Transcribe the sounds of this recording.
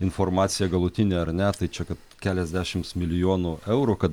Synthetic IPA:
ɪnfoɾmɑːt̪sʲɪjɛɡɐlˠʊt̪ʲɪnʲeːɐɾnʲɛt̪ɐɪt͡ʃʲɛkɐt̪kʲæːlʲɛzʲd̪ʲæːʃʲɪmsmʲɪlʲɪjoːnʊʔɛʊɾukɐt̪

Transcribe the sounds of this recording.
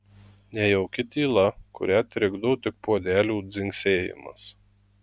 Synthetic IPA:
nʲɛjɛʊkʲɪt̪ʲiːlˠɐkʊ̰ɾʲæːt̪ʲɾʲɪɡd̪oːt̪ʲɪk̚puɔd̪ʲæːlʲuːd̪zʲɪŋʲksʲeːjɪ̰mɐ̰s

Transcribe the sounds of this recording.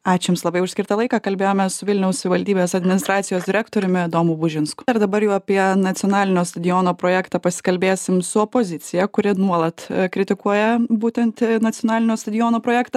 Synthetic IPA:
ɑːt͡ʃʲɪmslˠɐbɐɪʊʃʲsʲkʲɪɾt̪ɐlˠɐɪkɑkɐlʲbʲeːjoːmʲɛsʊʋʲɪlʲnʲɛʊssʲʊʋʲɪʋɐlʲd̪ʲiːbʲeːsɐd̪ʲmʲɪnɪst̪ɾɑːt̪sʲɪjoːsd̪ɪɾʲæːkt̪oːɾʲʊmʲɪd̪oːmuːbʊʒʲɪnskʊ̥ɪɾd̪ɐbɐɾjɛːɐpʲiɛnɐt̪sʲɪɔnɑːlʲɪnʲoːst̪ɐd̪ʲɪjoːnoːpɾoːjæːkt̪ɑpɐsʲɪ̥kɐlʲbʲeːsʲɪmsʊoːpozʲɪt̪sʲɪjɛkʊɾʲɪnuɔlˠɐt̪kɾʲɪt̪ʲɪkuɔjɛbuːt̪ʲɛnt̪nɐt̪sʲɪjoːnɑːlʲɪnʲoːst̪ɐd̪ʲɪjoːnoːpɾoːjæːkt̪ɐ

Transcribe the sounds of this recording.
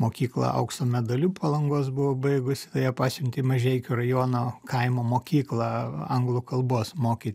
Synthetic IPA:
moːkʲiːklˠɑ̰ʔɐ̰ʊkst̪oːmʲɛd̪ɐlʲuːpʰɐlˠɐŋɡoːs̬bʊʋobɐɪɡʊsʲɪt̪ɐjɛpɑːsʲʊmʲt̪ʲɪmɐʒʲɛɪkʲʊrɐjoːnoːkɐɪmoːmoːkʲiːklˠɐɐŋɡlˠʊkɐlˠboːsmoːkʲit̪ʲ

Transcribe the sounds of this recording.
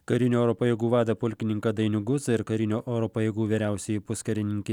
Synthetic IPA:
kɐɾʲɪnʲoːɛːɾoːpɐjeːɡuːʋɑːd̪ɐpʊlʲkʲɪnʲɪŋkɐd̪ɐɪnʲʊɡʊsɪɾkɐɾʲɪnʲoːʔoːɾoːpɐjeːɡuːʋʲeːɾʲæˑʊsʲɛjipʊskɐɾʲɪnʲɪŋʲkʲɪ

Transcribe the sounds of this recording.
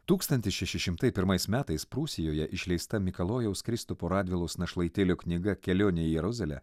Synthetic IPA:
t̪uːkst̪ɐnʲt̪ʲɪsʃʲɛʃʲɪʃʲɪmt̪ɐɪpʲɪɾmɐɪsmʲæːt̪ɐɪspɾuːsʲɪjoːjɛʔɪʃʲlʲɛɪst̪ɐmʲɪkɐlˠoːjɛʊskɾʲɪst̪ʊpoːɾɑːd̪ʲʋʲɪlˠɐʊsnɐʃlˠɐɪt̪ʲelʲʊknʲɪɡɐkʲɛlʲoːnʲɪjɛjɛɾʊzʲɐlʲɛ̰

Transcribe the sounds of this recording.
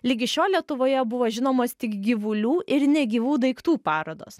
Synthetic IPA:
lʲiːɡʲɪʃʲoːlʲiɛt̪ʊʋoːjɛbʊʋoːʒʲɪnoːmoːst̪ʲɪkɡʲɪʋʊlʲuːʔɪɾnʲɛɡʲiːʋuːd̪ɐɪkt̪uːpɑːɾoːd̪o̰ːs

